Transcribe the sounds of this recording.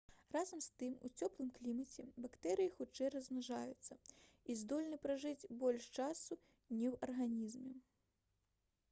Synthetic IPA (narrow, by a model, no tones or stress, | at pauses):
razɐmst̪ɨmṵt͡sʲɔplˠɨmklʲimɐt͡sʲɛbakt̪ɛɾɨjixut͡ʂɛjrɐzmʲaʐajut̪sːɐ | izd̪ɔlʲnɨpɾaʐɨt͡sʲbɔlʲʂt͡ʂasu | nʲɛwɐrɣanʲizmʲɛ